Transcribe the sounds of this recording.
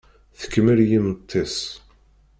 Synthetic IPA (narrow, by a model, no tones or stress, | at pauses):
θə̥kːməɾjimət̪ˤʰːesˤ